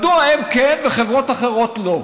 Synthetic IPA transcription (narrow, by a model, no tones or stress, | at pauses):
d̪uaemkenveχevʁot̪aχeʁo̞t̪lo